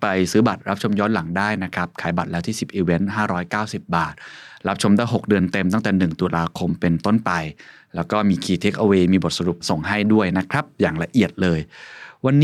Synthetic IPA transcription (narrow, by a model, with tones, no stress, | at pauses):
pa˧jsɯː˦˥ba˨˩t̪̚ɾa˦˥p̚t͡ɕʰo˧mjɔː˦˥nla˩˦ŋdaː˥˩jna˦˥kʰɾa˦˥p̚kʰaː˩˦jba˨˩t̪̚lɛː˦˥t̪iː˥˩si˨˩p̚ʔiː˧we˦˥nɦaː˥˩ɾɔː˦˥jkaː˥˩wsi˨˩p̚baː˨˩t̪̚ɾa˦˥p̚t͡ɕʰo˧md̪aː˥˩jɦo˨˩k̚dɯ˧ənt̪e˧mt̪a˥˩ŋt̪ɛː˨˩nɯ˨˩ŋt̪u˧lʔaː˧kʰo˧mpe˧nt̪o˥˩npa˧j | lɛː˦˥wkɔː˥˩miː˧kʰiː˧t̪ʰe˦˥k̚ʔa˧weː˧miː˧bo˨˩t̪̚sa˧ɾu˨˩p̚so˨˩ŋɦa˥˩jdu˥˩əjna˦˥kʰɾa˦˥p̚jaː˨˩ŋla˧ʔi˨˩ət̪̚lɤː˧jwa˧nː